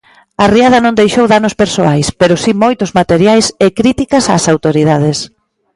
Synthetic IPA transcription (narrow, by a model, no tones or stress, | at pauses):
ɐriað̞ɐnõŋd̪ejʃowðanʊspeɾsoajspeɾʊsimojt̪ʊzmat̪eɾjajsekɾit̪ikɐsasawt̪oɾiðað̞ɪs